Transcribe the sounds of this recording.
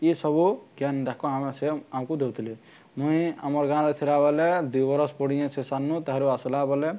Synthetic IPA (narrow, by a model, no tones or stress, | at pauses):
isɔbuɡjand̪akɔameseamkud̪ewt̪ʰili | mũĩamɔɾɡãɾɔt̪ʰiɾabɔled̪ujbɔɾɔspɔɽijɛ̃sesanːũt̪aɦaɾuaslabɔle